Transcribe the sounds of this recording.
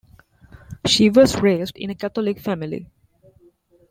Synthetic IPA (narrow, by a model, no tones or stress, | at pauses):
ʃiʋɔzɹeːzɖɪ̰̃nekæt̪ɔlɪkfæmilḭ